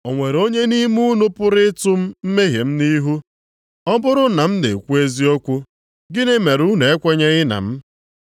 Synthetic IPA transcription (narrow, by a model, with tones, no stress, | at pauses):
o˨ŋʷe˨ɾo˦ɲe˦ni˦mu˦nʊ˦pʊ˦ɾɪ˦tʊ˦m̩˦m̩˦me˦ɦje˨m̩˦ni˦ɦu˦ | ɔ˦bʊ˦ɾʊ˦na˨m̩˦nḛ˨kʷu˦e˦zi˦ɔ˦kʷʊ˦ | ɡɪ˦ne˦me˨ɾu˦ne˨e˦kʷe˦ɲe˦ɣɪ˦na̰˨m̩˦